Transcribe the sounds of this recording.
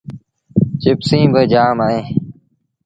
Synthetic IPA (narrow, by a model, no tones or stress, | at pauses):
t͡ʃɪpsĩːbəd͡ʒaːmaːẽː